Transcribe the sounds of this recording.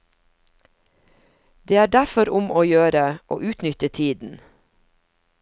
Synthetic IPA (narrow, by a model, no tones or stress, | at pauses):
d̪eːæːɖæfɔɾʊmʔoːjøːɾəʔo̰ːʔʉːt̪nʏt̪ət̪ʰiːd̪n̩